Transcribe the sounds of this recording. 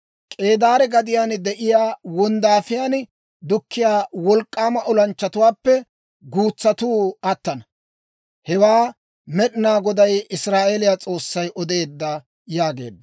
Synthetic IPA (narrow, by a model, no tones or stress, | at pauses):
kʼe̞ːd̪aːɾɛɡɐd̪ɪjaːnd̪ɛʔɪjaːwɔnd̪aːfɪjaːn | d̪ʊkːɪjaːwɔlkʼːaːmɐʔɔlɐnt͡ʃːɐt̪ʊwaːpːɛ | ɡuːt͡sːɐt̪uːɐt̪ːɐnɐ | hɛwaː | mɛɗɪnaːɡɔd̪ɐjɪsɾaːʔelɪjat͡sʼo̞ːsːɐjʔɔd̪e̞ːd̪ːɐ | jaːɡe̞ːd̪ːɐ